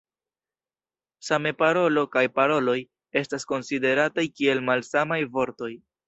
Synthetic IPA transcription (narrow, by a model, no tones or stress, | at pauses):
same̞paɾo̞lo̞kajpaɾo̞lo̞j | e̞stasko̞nside̞ɾatajkie̞lmalsamajvo̞ɾto̞j